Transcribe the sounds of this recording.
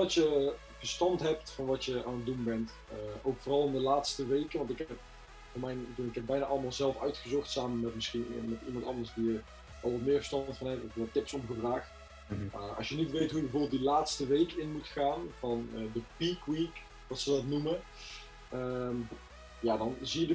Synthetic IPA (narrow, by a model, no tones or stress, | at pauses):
ɑtjə | vəɹstɑntɦɛp̚tfɑnʋɑtjəʔa̰ːnət̚dunbɛnt | əʔowkfoːrɑlˠɪndəlaːtstəʋejkənʋɑntɪkp̚ | voːmɛjndunɪkɦɛp̚bɛjnaʔɑləmaːlˠzɛlˠfœ̰ɥtχəzɔχtsaːmənmɛtmɪsχinmɛtimɑntɑ̰ndəɹsdijə | ʔɑlˠʋɑtmɪːɹvəstɑntfɑnɦɛtɔfɛtːɪpsɔmχəvraːχt | aʔɑ̰sʃjənitʋejtɦujəbəvoːbɪlˠdilaːtstəʋejkɪnmutχaːnvɑnədəpikwik | dɑtsədɑtnumə | əm | jaːdɑnzijədə